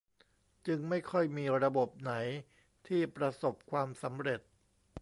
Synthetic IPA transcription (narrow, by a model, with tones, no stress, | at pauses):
t͡ɕɯ˧ŋma˥˩jkʰɔ˥˩jmiː˧ɾa˧bo˨˩p̚na˩˦j | t̪ʰiː˥˩pɾa˧so˨˩p̚kʰwaː˧msa˩˦mɾe˨˩t̪̚